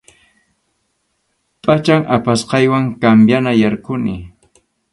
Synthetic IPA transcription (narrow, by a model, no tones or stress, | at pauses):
pʼat͡ʃaŋapasqɑjwaŋkambjanajaɾkʊnɪ